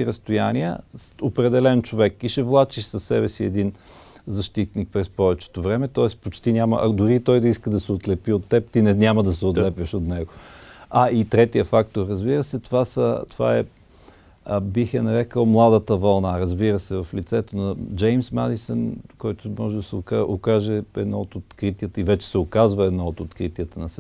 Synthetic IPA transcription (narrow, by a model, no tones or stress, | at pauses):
iɾɐst̪ʊjaniə̰sopɾɛd̪ɛlɛnt͡ʃovɛkːiʃɛvlˠat͡ʃiʃsɐsːɛbɛsiɛd̪in | zɐʃt̪it̪̚nik̚pɾɛspɔvɛt͡ʃɛ̥t̪ovɾɛmɛt̪ɔɛspot͡ʃt̪inʲamə̰ʔɐ̰d̪ʊɾit̪ɔjd̪ɐiskəd̪ɐsɛot̪lɛpiot̪ːɛp̚t̪inɛnʲaməd̪ɐsɛot̪lɛpʲəʃot̪nɛɡoait̪ɾɛt̪ijəfakt̪oɾɾɐzbiɾəsɛt̪ovasət̪va̰ɛ | bixɛnɐɾɛkəlˠmlˠad̪ət̪əvɐlˠnaɾɐzbiɾəsɛvɐflit̪sɛt̪onɐd͡ʒɛjmsmad̪isənkɔjt̪ʊmɔʒɛd̪ɐsɛokaokaʒɛɛ̰d̪nɔot̪ot̪kɾit̪iət̪əivɛt͡ʃɛ̥sɛokazvəɛd̪nɔot̪ot̪kɾit̪iət̪ənɐsɛ